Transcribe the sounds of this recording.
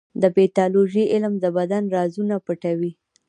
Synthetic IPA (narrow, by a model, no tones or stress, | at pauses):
d̪əbet̪ɑloʒiʔɪlmd̪əbad̪anɾɑzunapəʈawi